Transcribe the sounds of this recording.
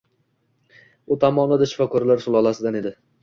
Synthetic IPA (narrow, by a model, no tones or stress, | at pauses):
ʊt̪ʰamɒnd̪ad̪aʃɪ̥fɒkʰɒɾlaɾsʊlˠɒlˠasɪd̪ane̞d̪ɪ